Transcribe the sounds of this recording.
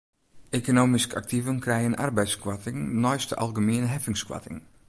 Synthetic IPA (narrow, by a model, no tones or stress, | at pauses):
ʔekonoːmiska̰k̚tivənkrɛjənʔa̰rbɛjskwatɪŋnɔjstəʔa̰lˠɡəmiənɦɛfɪŋskwa̰tɪ̰ŋ